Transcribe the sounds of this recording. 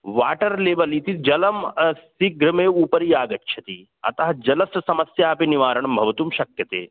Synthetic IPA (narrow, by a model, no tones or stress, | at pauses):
ʋaːʈɐɾleːbɐlit̪id͡ʒɐlɐmsiɡɾɐmẽːuːpɐɾjaːɡɐtːʃʰɐt̪i | ɐ̰t̪ɐɦɐd͡ʒɐlɐssɐmɐsjaːpiniʋaːɾɐɳɐmbʱɐʋɐt̪umʃɐkjɐt̪ḛː